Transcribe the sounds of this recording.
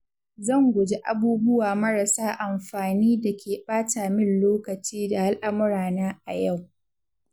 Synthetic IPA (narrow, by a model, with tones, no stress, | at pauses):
zɐ˦˨ŋɡʷʊ˨d͡ʒe˦ʔa˨buː˦bʊ˦waː˨mɐ˦ɾa˨saː˦ʔa˨mɸaː˨niː˦da˨kʲʰeː˨ɓaː˦taː˨mɪ˦nloː˦kɐ˨t͡ʃiː˦da˨ha˦lʔa˦mɪ˦ɾaː˨naː˦ʔa˨ja˦˨w